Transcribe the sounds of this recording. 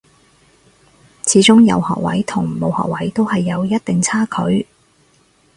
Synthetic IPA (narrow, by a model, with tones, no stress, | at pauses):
t͡sʰiː˨˥t͡sʊ˥ŋjɐ̰˨˧whɔ̰ː˨k̚wɐ̰˨˥jt̪ʰʊ˨˩ŋmo˨˧whɔ̰ː˨k̚wɐ˨˥jt̪o˥whɐ˨jːɐ˨˧wjɐ˥t̚t̪ɪ˨ŋt͡sʰaː˥kʰɵ̰˨˥ɥ